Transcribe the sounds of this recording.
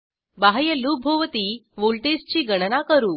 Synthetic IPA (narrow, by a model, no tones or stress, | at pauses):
baɦjəlubʱoʋət̪iːʋoɭʈest͡ɕiːɡəɽ̃nakəɾuː